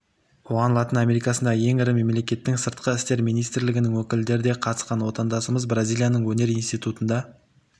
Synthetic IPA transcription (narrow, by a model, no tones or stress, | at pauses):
wʰoʁɑnlˠɑt̪ənamʲe̞ɾijkɑsənd̪ɑje̞ŋɪɾɪme̞mle̞kʲe̞t̪ːɪŋsəɾt̪̚qəɪst̪e̞ɾmijnijst̪ɾlɪɡʲɪnɪŋwɵkʲɪld̪e̞ɾd̪e̞qʰɑt̪ə̥sqɑnwo̞t̪ɑnd̪ɑsəməzbrazʲilʲijanəɴwɵne̞ɾijnst̪ijt̪ut̪ənd̪ɑ